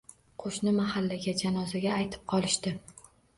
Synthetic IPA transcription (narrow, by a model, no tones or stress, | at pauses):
qʰoʃnɪmahalːaɡʲad͡ʒanɒzaɡʲaːjt̪ʰɪ̥p̚qʰɒlˠɪʃt̪ɪ